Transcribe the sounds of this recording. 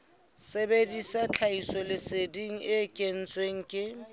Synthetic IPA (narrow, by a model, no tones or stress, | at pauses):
sebedisat͡ɬʰaisɔlɪsediŋ̩ʔɪkʼen̩t͡sʼweŋ̩kʼɪ